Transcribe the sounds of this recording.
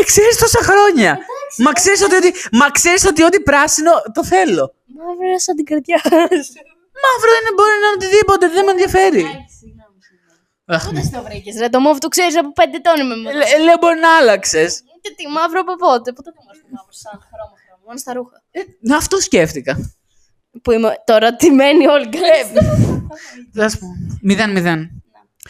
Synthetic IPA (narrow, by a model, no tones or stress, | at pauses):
kseɾist̪o̞sɐxɾo̞ɲɐmɐkseɾiso̞t̪̬iot̪imɐkseɾiso̞t̪io̞t̪ipɾɐsino̞t̪o̞θe̞lo̞ | mɐvɾɐsɐnd̪iɡɐɾt̪ʝɐs | mɐvɾoinebo̞ɾinɐnot̪iðipo̞t̪eðemenðjɐfe̞ɾi | ɐxɐsnɐvɾicesɾet̪omoft̪ukseɾisɐpopend̪et̪o̞nimemeleobo̞ɾinɐɐlɐksesit̪et̪imɐvɾoɐpopot̪epot̪eomost̪omɐvɾosɐnɐxɾomɐxɾomɐmonost̪ɐɾuxɐ | ɐft̪osceft̪ikɐ | puimet̪o̞ɾɐt̪imenioliklep | ɐspumiðenmiðen